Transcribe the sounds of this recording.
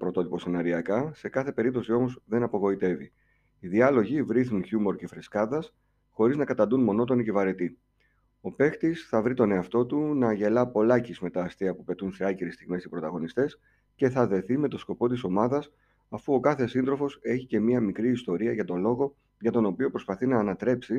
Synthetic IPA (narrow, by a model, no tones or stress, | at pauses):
pɾot̪o̞t̪ipo̞senɐɾiɐkɐse̞kɐθe̞pe̞ɾip̚t̪o̞sio̞mo̞zðe̞nɐpo̞ɣo̞it̪e̞vḭː | ðiɐlo̞ʝivɾiθnunçumo̞ɾce̞fɾeskɐðɐs | xo̞ɾiznɐkɐt̪ɐnd̪unmo̞no̞t̪o̞nice̞vɐɾe̞t̪i | o̞pe̞xt̪isθɐvɾit̪o̞ne̞ɐft̪o̞t̪unɐʝe̞lɐpo̞lɐcizme̞t̪ɐːst̪iɐpupe̞t̪unse̞ɐciɾist̪iɣme̞sipɾo̞t̪ɐɣo̞nist̪e̞s | ce̞θɐðe̞θime̞t̪o̞sko̞po̞t̪iso̞mɐðɐs | ɐfuo̞kɐθe̞sind̪ɾo̞fo̞se̞çice̞miɐmikɾiːst̪o̞ɾiɐʝɐt̪o̞nlo̞ɣo̞ | ʝɐt̪o̞no̞pio̞pɾo̞spɐθinɐːnɐt̪ɾe̞psi